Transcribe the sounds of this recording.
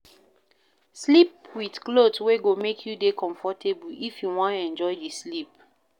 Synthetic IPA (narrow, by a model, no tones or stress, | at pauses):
slipwidklodsweɡomekʰjudekʰɔ̃ɱfɔtʰebuifjuwɔ̃ntɛ̃nd͡ʒɔɪdislip̚